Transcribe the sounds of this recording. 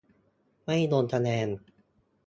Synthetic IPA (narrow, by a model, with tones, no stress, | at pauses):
ma˥˩jnoː˧nt̪ʰa˧nɛː˧n